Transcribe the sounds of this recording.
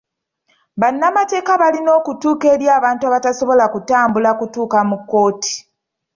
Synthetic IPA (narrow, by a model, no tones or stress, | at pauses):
βanːamate̞ːkaβalino̞ːkutuːke̞ːɾjaːβaːntuaβataso̞βo̞lakutaːmbulakutuːkamukːo̞ːti̥